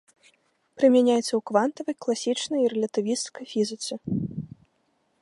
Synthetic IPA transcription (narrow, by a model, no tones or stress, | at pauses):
pɾɨmʲanʲajɛt̪sːɐwkvant̪ɐvɐjklˠasʲit͡ʂnɐjiɾɛlʲɐt̪ɨvʲist̪skɐjfʲizɨt̪sɨ